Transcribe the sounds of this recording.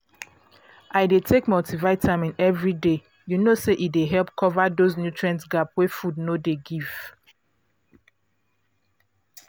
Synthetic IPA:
aɪdetʰekmɔtʰivaɪtʰamĩnɛvɹide | junoseʔideɦɛlˠpkʰɔvadoznjutʰɹiãntsɡapwɛfudnodeɡiv̥

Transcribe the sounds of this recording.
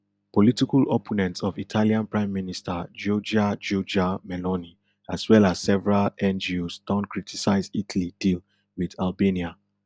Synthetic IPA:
pɔlitikalɔpʰɔnɛ̃ntsɔvitʰaliãnpɹãɪ̃mːinistad͡ʒɔd͡ʒad͡ʒɔd͡ʒamɛlɔni | aswɛlaz̥sɛvɛɹalɛ̃nd͡ʒiosd̥ɔ̃nkɹitʰisaɪzitʰlidil | wiðalbenia

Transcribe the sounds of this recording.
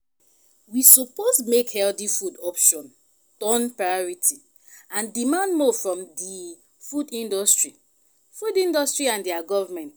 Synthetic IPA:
wisɔposmekhɛldifudɔpʃɔ̃n | tɔ̃npɹajɔɹitʰi | ãndimãndmɔfɹɔ̃mdi | fudĩndɔstɹi | fudĩndɔstɹiãndiaɡɔvamɛ̃nt

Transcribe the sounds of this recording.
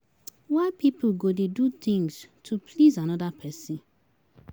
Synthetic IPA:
wapip̩ɡodedut̪ĩŋstʰupʰlizanɔdapʰɛsĩn

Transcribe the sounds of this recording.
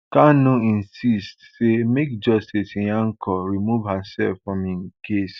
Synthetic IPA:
kanũĩnsistsemek̚d͡ʒɔstisij̃ãŋ̩kʰɔɾimuvhasɛlfɹɔ̃miŋkʰes

